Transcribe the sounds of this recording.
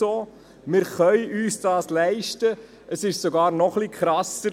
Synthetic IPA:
oː | mɪːɾχœʏyːsd̥ɑːslɛɪʃtə | ʔəsɪʃsoɡɑːɾnɔχlikχɾɑsə

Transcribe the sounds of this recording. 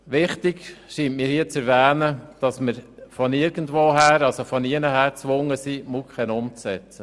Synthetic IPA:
ʋɪχtɪkʃiːntmiːɾhiːət͡sɛɾʋæːnəd̥ɑsməɾfɔnɪɾɡ̥əndʋoːɦæːɾɑlsofɔniənəhæːɾt͡sʋʊŋːəsimukχɛnʊmt͡ssɛt͡sə

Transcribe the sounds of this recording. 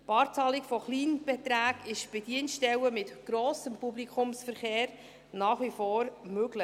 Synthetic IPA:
pɑːɾt͡sɑlikfɔχliːnb̥ɛt̪ɾæːɡɪʃb̥ɛd̥̪iənʃtɛwəmɪtɡ̥ɾoːsəmpublikʰʊmsfəɾχeːɾ | nɑːχʋifoːɾmøɡlə

